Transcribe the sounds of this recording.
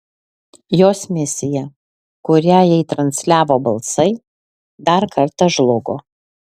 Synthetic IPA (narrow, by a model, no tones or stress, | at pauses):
joːsmʲɪsʲɪjɛ | kʊɾʲæːjɛɪt̪ɾɐnʲsʲlʲæːʋoːbɐlˠsɐɪ | d̪ɐɾkʰɐɾt̪ɐʒlˠʊɡoː